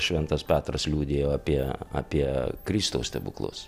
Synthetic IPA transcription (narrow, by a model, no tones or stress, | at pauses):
ʃʲʋʲɛnt̪ɐspʲæːt̪ɾɐslʲuːd̪ʲeːjoːɐpʲiɛa̰ːpʲiɛkɾʲist̪oʊst̪ʲɛbʊ̰klˠʊ̰s